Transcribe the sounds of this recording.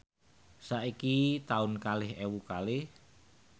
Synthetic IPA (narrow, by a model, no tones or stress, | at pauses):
saʔikit̪aʊnkalɪhewukalɪh